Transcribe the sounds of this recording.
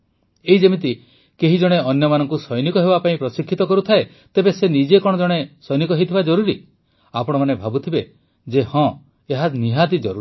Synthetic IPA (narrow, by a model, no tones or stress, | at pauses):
eɦid͡ʒemit̪̬i | keɦid͡ʒɔɽ̃eʔɔnjɔmanɔŋkusɔjnikɔɦebapaĩpɾɔsikʰːit̪ɔkɔɾut̪ʰae | t̪ebesenid͡ʒekɔɽ̃ɔd͡ʒɔɽ̃esɔjnikɔɦet̪ʰibad͡ʒɔɾuɾi | apɔɽ̃ɔmanebʱabut̪ʰibe | d͡ʒehɔ̃ | eɦaniɦad̪id͡ʒɔɾu